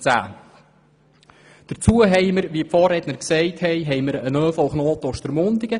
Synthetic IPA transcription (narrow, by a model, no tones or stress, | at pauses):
t͡sæ̰ː | d̥əɾt͡suəɦɛjməɾʋiəpfɔːrɛd̪nəɾksɛɪthɛjɦɛjməɾənœːfɔlχnoːt̪ɔʃtəɾmʊnd̪iɡ̥ə